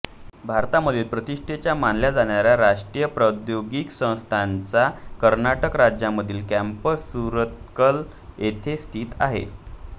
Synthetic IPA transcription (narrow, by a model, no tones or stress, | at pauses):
bʱaɾt̪aməd̪ʱiːlpɾət̪iʂʈʰet͡ɕjamanljad͡zaɳjaɾjaɾaʂʈɾijəpɾəd̪joɡiksə̃w̃st̪ʰant͡sakəɾnaʈəkɾad͡ʑjaməd̪ʱiːlkæmpəɾsuɾət̪̚kəl | et̪ʰest̪ʰiːt̪aɦḛ